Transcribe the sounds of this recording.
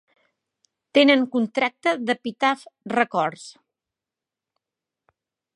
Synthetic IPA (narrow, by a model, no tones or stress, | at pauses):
t̪enəŋkunt̪ɾak̚t̪əðəpit̪afrəkɔɾs